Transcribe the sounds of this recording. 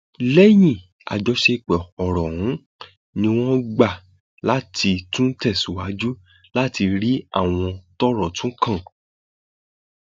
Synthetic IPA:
lɛ˦j̃ĩ˦˨ | a̰˨d͡ʒɔ˧ʃe˧k͡pɛ˨ɔ˨ɾɔ̃˨ũ˨˦ | nĩ˧w̃ɔ̃˦ɡ͡ba˦˨ | la˦tʰi˧tũ˦tɛ˦˨sũ˨˦wa˨˦d͡ʒu˦ | la˦ti˧ɾi˦a̰˦˨w̃ɔ̃˧tɔ˦ɾɔ˦˨tũ˦kã˦˨

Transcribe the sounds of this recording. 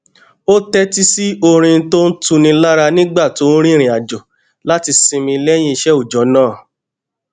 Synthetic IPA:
o˦tɛ˦ti˦si˦o˧ɾ̃ĩ˧˦to˦n̩˦tũ˧nĩ˧la˦ɾa˧nĩ˦ɡ͡ba˦˨to˨˦ɾ̃ĩ˦˨ɾ̃ĩ˨a˨d͡ʒɔ˨ | la˦ti˧sĩ˧mĩ˧lɛ˦j̃ĩ˧i˧ʃɛ˦u˦˨d͡ʒɔ˨˦nãː˦˨

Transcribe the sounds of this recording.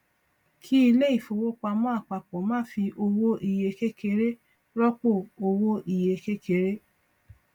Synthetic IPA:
kʰi˦i˧le˦i˦˨fo˧wo˦k͡pa˧mã˦˨k͡pa˨k͡pɔ˨˦mãː˦fi˧ʔo˧wo˦i˧˨je˧ke˦ke˧˦ɾe˦ | ɾɔ˦k͡po˦˨o˧wo˦ʔi˨je˧ke˦ke˨˧˦ɾe˦

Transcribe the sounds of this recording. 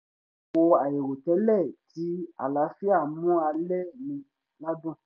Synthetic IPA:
ko˧a˨je˨ɾo˨tɛ˨˦lɛ˦˨ti˨˦a̰˨la˨˦fi˦a˦˨mũ˦a˧lɛ˦˨nĩ˧ | la˦dũ˦˨

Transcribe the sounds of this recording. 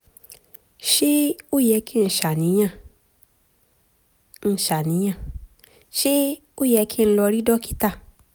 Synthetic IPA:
ʃi˦o˦jɛ˧˦ki˦˧n̩˨ʃa˨nĩ˨˦ɲã˧˨ | n̩˧˨ʃa˨nĩ˨˦ɲã˦˧˨ | ʃi˦ | o˦jɛ˧kʰi˦n̩˧lɔ˧ɾi˦dɔ˦ki˦ta˦˨

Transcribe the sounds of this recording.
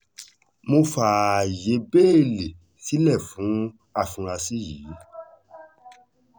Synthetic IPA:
mo˧faː˨je˨˦be˦e˦˨le˨ | si˦lɛ˦˨fũ˨˦ | a˦˨fũ˨˧ɾa˧si˦jiː˨˦

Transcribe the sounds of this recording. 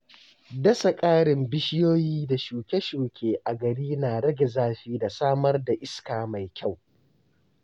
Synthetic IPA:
dɐ˦sa˨kʼaː˦ɽɪ˨mbɪ˦ʃɪ˦joː˦jiː˦da˨ʃuː˨kʲe˦ʃuː˨kʲʰeː˨ʔa˨ɡɐ˨ɽiː˦naː˨ɽɐ˦ɡʲe˨zaː˦ɸiː˦da˨saː˦mɐ˦rda˨ʔɪ˦skaː˨ma˨jkʲa˦˨w

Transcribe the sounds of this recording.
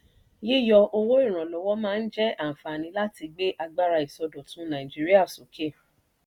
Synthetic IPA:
ji˦˨jɔ˧ʔo˧wo˦i˦˨ɾ̃ã˨lɔ˨˦wɔ˦mãː˦˧n̩˦d͡ʒɛ˦a˦˨fa˨nĩ˧˦la˦ti˧ɡ͡be˦ʔa˧ɡ͡ba˦ɾa˧i˨sɔ˧do˨tũ˨˦nã˨ĩ˨d͡ʒi˦ɾi˦a˦˨so˨˦kʰe˦˨

